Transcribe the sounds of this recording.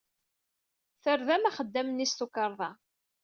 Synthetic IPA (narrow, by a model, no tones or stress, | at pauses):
θəɾðæmæχəd̪ːæmənist̪ukəɾˤðˤɑ